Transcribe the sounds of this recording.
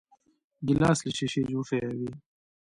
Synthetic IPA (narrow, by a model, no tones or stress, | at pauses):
ɡilaːsliɕiɕid͡ʑuːfeewi